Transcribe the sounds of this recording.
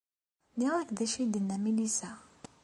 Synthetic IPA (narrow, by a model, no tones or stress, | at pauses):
niʁækðæʃid̪ənːæmilisæ